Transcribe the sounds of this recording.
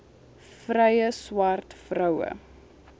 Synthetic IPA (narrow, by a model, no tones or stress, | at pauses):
frɛjəswɐrtfrœwə̰